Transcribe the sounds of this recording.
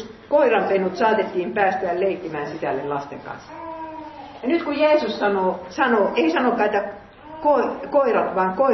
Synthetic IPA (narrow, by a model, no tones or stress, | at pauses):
koirɑmpenut̪sɑːt̪et̪ːiːmpæːst̪æːlleikːimæːnsisælːellɑst̪ḛŋkɑ̰nsː | jɑnyt̪kujeːsussɑnoːsɑnoʔeisɑnokːˑɑːet̪ːæ | koikoirɑt̪ʋɑːŋko